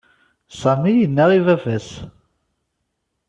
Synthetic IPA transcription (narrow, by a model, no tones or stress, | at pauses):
sæmijənːæʁivævæs